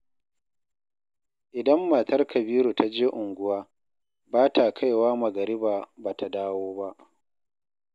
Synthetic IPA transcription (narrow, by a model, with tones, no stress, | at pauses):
ʔɪ˨dɐ˦mːa˨tɐ˦rkɐ˨biː˦ɾu˨ta˦d͡ʒeː˦ʔʊ˨ŋɡʷʊ˦waː˦ | baː˦ta˨kʰa˦˨jwaː˦mɐ˨ɡɐ˨ɾɪ˦baː˨baː˨ta˨daː˦woː˦ba˦ʔ